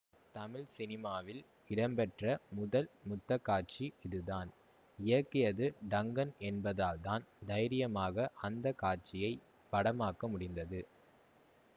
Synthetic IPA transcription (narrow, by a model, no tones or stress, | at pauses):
t̪ɐmɪɭsɪnɪmaːʋɪl | ɪɽɐmbɛʈrɐmʊðɐlmʊt̪ːɐkːaːʈ̚t͡ʃiɪðɯðaːn | ɪjɐkːɪjɐðɯɖɐŋɡɐnɛnbɐðaːlt̪aːnd̪ɐjɾɪjɐmaːɣɐʔɐnd̪ɐkaːʈ̚t͡ʃɪjɐɪ | pɐɽɐmaːkɐmʊɽɪnd̪ɐðɯ